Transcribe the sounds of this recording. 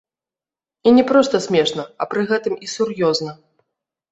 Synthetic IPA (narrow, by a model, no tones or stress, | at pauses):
inʲɛpɾɔst̪ɐsʲmʲɛʂnɐɐpɾɨɣɛt̪ɨmisurjɔznɐ